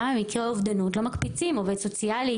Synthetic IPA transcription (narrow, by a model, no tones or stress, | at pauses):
amikiʁovd̪anutlomɐkpit͡simoved̪sot͡siali